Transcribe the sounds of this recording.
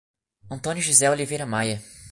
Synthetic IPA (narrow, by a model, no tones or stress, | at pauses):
ɐ̃t̪õnjʊʒizɛolivejɾɐmajɐ